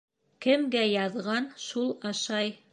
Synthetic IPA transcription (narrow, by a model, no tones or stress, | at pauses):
kɘ̆mɡæjɑðʁɑnʃulˠɑʃɑj